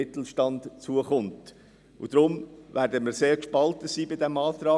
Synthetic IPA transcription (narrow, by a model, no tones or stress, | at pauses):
ɪt̪l̩ʃtɑndt͡suəχʊnt | ʊd̥̪ɾʊmvæːɾdəməɾseːɾkʃpɑltəsiːbɪdɛmɑːt̪ɾɑː